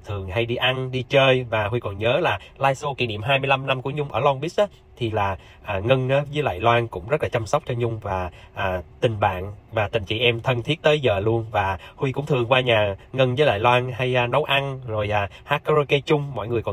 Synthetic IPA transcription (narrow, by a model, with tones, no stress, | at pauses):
t̪ʰɨ˨˩əŋha˧jɗi˧ʔa˧nɗi˧t͡ɕəː˧jvaː˨˩hwi˧kɔ˨˩nɲəː˨˦laː˨˩laː˧jso˧kḭ˧˩nḭ˧˨mɦaː˧jmɨ˧əjla˧mna˧mku˧˩əɲʊ˧ŋ͡mʔəː˧˩lɔ˧ŋɓi˦˥s̚ʔaː˨˦ | t̪ʰi˨˩laː˨˩ | ʔaː˨˩ŋə˧nʔaː˨˦zəː˨˦jla̰ː˧˨jlwaː˧nkʊ̰˧˥ŋ͡mzə˦˥t̚laː˨˩t͡ɕa˧msa˦˥wk͡p̚t͡ɕɔ˧ɲʊ˧ŋ͡mvaː˨˩ʔaː˨˩t̪ï˨˩ŋ̟ɓa̰ː˧˨nvaː˨˩t̪ï˨˩ŋ̟t͡ɕḭ˧˨ʔɛ˧mt̪ʰə˧nt̪ʰi˦˥ət̚t̪əː˨˦jzəː˨˩lu˧ənvaː˨˩hwi˧kʊ̰˧˥ŋ͡mt̪ʰɨ˨˩əŋkwaː˧ɲaː˨˩ŋə˧nvəː˨˦jla̰ː˧˨jlwaː˧nha˧jʔnə˨˦wʔa˧nzo˨˩jʔaː˨˩haː˦˥k̚kɔ˧˦ɾo˧ke˧t͡ɕʊ˧ŋ͡mmɔ̰˧˨jŋɨ˨˩əjkɔ˨˩˨